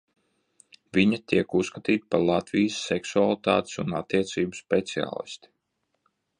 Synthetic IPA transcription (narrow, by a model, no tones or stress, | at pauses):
viɲat̪iɛkusːkat̪iːt̪paɾlˠat̪vʲijsːɛksualˠt̪aːt̪i̥sunat̪ːiɛt̪siːbuspɛt̪sia̰ːlˠḭst̪i̥